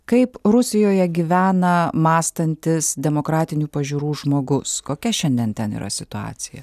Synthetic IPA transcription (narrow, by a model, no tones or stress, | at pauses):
kɐɪpɾʊsʲɪjoːjɛɡʲiʋʲæːnɐmɑːst̪ɐnʲt̪ʲɪsd̪ʲɛmoːkɾɑːt̪ʲɪnʲuːpɐʒʲuːɾuːʒmoːɡʊskoːkʲɛʃʲɛnʲd̪ʲɛnt̪ʲɛnḭːɾʔɐ̰sʲɪt̪ʊɑ̰ːt̪sʲɪjɛ̰